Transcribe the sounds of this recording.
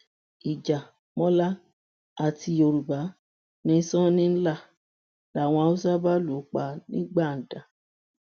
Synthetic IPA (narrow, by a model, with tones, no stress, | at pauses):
i˨d͡ʒa˨ | mɔ̃˦la˦ | a˨tʰi˧o˧ɾu˨ba˨˦ | nĩ˧˦sɔ̃˦nĩ˦n̩˦la˦˨ | la˨w̃ɔ̃˧a˧u˦sa˦ba˦lo˨˦k͡pa˧nĩ˦ɡ͡ba˦˨n̩˨da˨